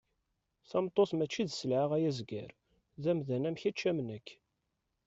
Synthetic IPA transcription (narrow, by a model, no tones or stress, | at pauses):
θɑmt̪ˤːosmæt͡ʃːiðsəlʕaʁæjæzɡæ̰ɾ | ðæmðænæmçit͡ʃːæmnəkː